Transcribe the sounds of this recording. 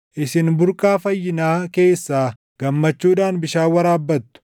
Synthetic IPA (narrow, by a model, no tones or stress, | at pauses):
ʔɪsɪnbʊɾkʼaːfɐjːɪnaːke̞ːsːaː | ɡ̥ɐmːɐt͡ʃːuːᶑaːnbɪʃaːwɐɾaːbːɐt̪ːʊ̥